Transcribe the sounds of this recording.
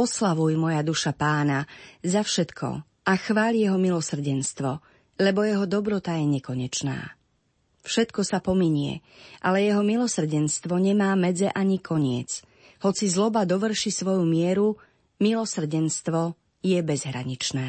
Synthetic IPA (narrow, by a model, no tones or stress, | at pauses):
ɔslaʋujmɔjad̪uʃapaːnazafʃɛt̪kʰɔ̰ | ʔaxʋaːʎjɛɦɔmilɔsr̩ɟɛnst̪ʋɔ | lɛbɔjɛɦɔd̪ɔbɾɔt̪ajɛɲɛkɔɲɛt͡ʃna̰ː | fʃɛt̪kɔsapɔmiɲɪɛ̰ʔalɛjɛɦɔmilɔsr̩ɟɛnst̪ʋɔɲɛmaːmɛd͡zɛʔaɲikʰɔɲɪɛ̰t͡s | hɔt͡sizlɔbad̪ɔʋr̩ʃisʋɔjumɪɛɾu | milɔsr̩ɟɛnst̪ʋɔ | jɛbɛzɦɾa̰ɲit͡ʃnɛː